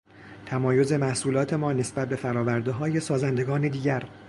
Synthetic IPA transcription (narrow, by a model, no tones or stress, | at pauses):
t̪ʰæmɒːjo̞ze̞mæhsuːlɒːt̪ʰe̞mɒːne̞sbæt̪̚be̞fæɾɒːvæɾd̪eɦɒːje̞sɒːzænd̪e̞ɡɒːned̪iːɟæɾ